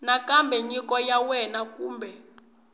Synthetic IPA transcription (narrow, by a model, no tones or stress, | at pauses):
nakambɛɲikɔjawɛnakuːmbɛ